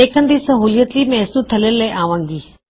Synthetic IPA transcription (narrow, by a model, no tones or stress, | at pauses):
eːkʰənd̪iːsəɦuːljət̪liːmɛ̃ːsnũt̪ʰəleləjʔaːʋãːŋɡiː